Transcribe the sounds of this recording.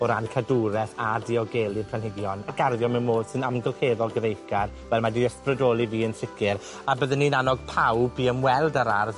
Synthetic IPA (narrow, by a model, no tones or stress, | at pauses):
ɔɾankʰaduɾɛθadiɔɡeːlˠɪrpʰanhɪɡjɔnaɡarðjɔmɛnmoːd̥sɨnamɡəlˠheːðɔlˠɡəðejkarwɛlˠmadiəsprədoːlˠiviːənsɪkʰɪɾ | abəðənːinanɔɡ̚pʰawbiəmwɛlˠdaɾarð